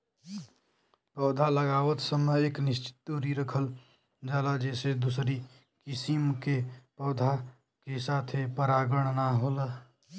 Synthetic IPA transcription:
pəʊd̪ʱaləɡaːʋət̪səməeːknɪst͡ʃɪ̥t̪ːuɾiɾəkʰəl | d͡ʒaːlad͡ʒɛːsed̪usɾi | kisimkepəːd̪ʱa | kesaːt̪ʰepəɾaɡəɽ̃naɦolə

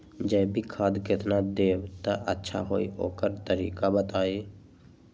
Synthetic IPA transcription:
d͡ʒəːbʱikʰaːd̪kɪt̪nad̪eːbt̪aʔətːʃʰa̰ɦoːioːkəɾt̪əɾiːkabət̪aːi

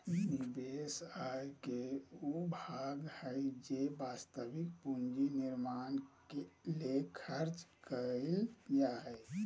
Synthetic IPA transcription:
nibesajkeubʱaɡhəjd͡ʒebast̪əbikpund͡ʒiniɾmankelekʰəɾt͡ʃkəɪljaɦɛj

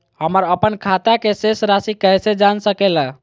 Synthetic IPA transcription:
həməɾəpənkʰat̪akesesɾasikəjsed͡ʒansəkɛlə

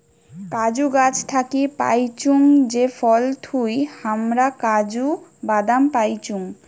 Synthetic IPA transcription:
kad͡ʑuɡat͡ɕt̪ʰakipa̰jt͡ɕuŋd͡ʑefʰɔlt̪ʰujhamɾakad͡ʑubad̪ampajt͡ɕuŋ

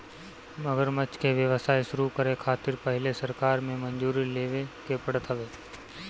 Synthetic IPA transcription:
məɡəɾmət͡ʃkeʋjəʋəsaːjʃʊɾukəɾekʰaːt̪ɪɾpəɦɪlesɐɾkaːɾmẽmə̃nd͡ʒuːɾileːʋekepəɽət̪ʰəʋeː

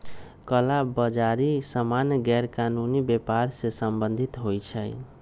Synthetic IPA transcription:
kəlabəd͡ʒaɾisəmanjɡɛɾkanunibepaɾsesəmbənd̪ʱit̪ɦojt͡ʃʰəj

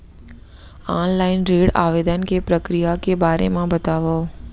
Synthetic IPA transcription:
aːnlaːɪnɾeːɽa̰ːʋeːd̪ənkepɾəkɾijakebaːɾḛmãbət̪aːʋoː

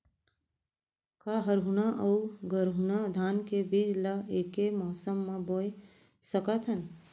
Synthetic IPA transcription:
kaɦəɾɦunaʔɐuɡəɾɦunad̪ʱaːnkebiːd͡ʒlaeːkemɔːsəmːãboːj | səkət̪ʰɐn

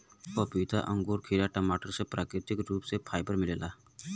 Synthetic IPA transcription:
opiːt̪a̰ʔə̃ŋɡuːɾkʰiːɾaʈəmaːʈəɾsepɾʔaːkɾɪt̪ɪkɾuːpsepʰaːjbəɾmɪleːlaː

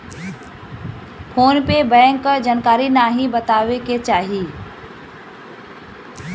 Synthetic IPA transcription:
pʰoːnpebɛ̃ːŋkd͡ʒankaːɾinaːɦĩbət̪aːʋeket͡ʃaːɦiː

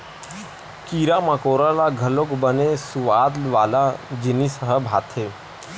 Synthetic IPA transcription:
kiːɾamãkoːɾalaɡʱəlokbənesʊʋaːd̪lʋaːlad͡ʒɪnisəɦəbʱaːt̪ʰɦeː

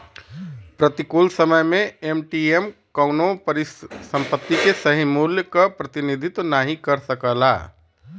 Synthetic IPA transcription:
pɾət̪ikolsəməjmẽemʈiemkənopɾisə̃mpət̪ːikesəɦimuljəkəpɾət̪inid̪ʱɪt̪naɦĩkəɾsəkəla̰ː

